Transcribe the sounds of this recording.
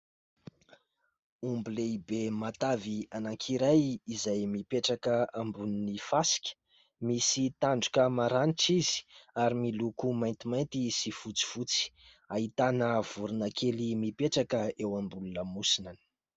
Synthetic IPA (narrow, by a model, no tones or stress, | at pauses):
umbileibemat̪avianaŋkʰiɾajizajmipeʈ͡ʂakəambuninifasi̥kʲə̥ | misit̪aɳɖ͡ʐukʲəmaɾaniʈ͡ʂizi̥aɾimilukumajnt̪imajnt̪isifut͡si̥v̥ut͡si̥ | aɦit̪anəv̥uɾunakʰelimipeʈ͡ʂakəewambulunəmusinani̥